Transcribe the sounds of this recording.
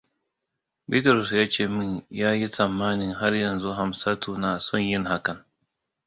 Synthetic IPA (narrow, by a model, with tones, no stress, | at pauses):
bi˦tɐ˨ɾʊ˨sjaː˦t͡ʃeː˦˨mɪ˦ɲjaː˦ji˦sɐ˨mːaː˦nɪ˨ŋɦa˦rjɐ˨nzu˦ɦa˨msa˦tuː˦˨naː˨sɔ˦˨ɲjɪ˦ŋha˦kɐ˨ŋ